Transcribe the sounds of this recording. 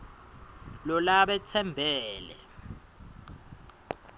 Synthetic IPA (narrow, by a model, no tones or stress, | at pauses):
lɔlaɓɛt͡sʰɛmbʱɛːlɛ̰